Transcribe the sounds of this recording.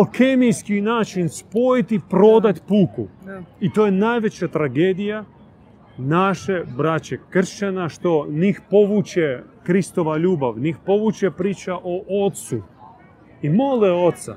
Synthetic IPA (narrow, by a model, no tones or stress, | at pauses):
alˠkemijskinaːt͡ʃinspojit̪ipɾoːd̪at̪ʲpuːkuit̪ojenaːjʋe̞t͡ɕat̪ɾaɡed̪ija | naʃebɾat͡ɕekr̩ʃt͡ɕanaʃt̪o̞niːxpo̞ʋut͡ɕe | kɾist̪o̞ʋaʎuːbaʋnixpo̞ʋut͡ɕepɾiːt͡ɕaʔoʔot̪su | imoleot̪sa̰